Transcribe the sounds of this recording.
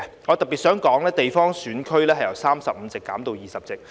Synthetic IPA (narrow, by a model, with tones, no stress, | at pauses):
ŋɔ˨˧t̪ɐ˨piː˨t̚sœː˨˥ŋkɔː˨˥ŋlɛː˥t̪e˨jfɔː˥ŋsyː˨˥nkʰɵ˥ɥlɛː˥hɐ˨jɐ˨˩wsaː˥msɐ˨p̚m̩˨˧t͡sɪ˨kːaː˨˥mt̪o˨˧wjiː˨sɐ˨˩p̚t͡sɪ˨k̚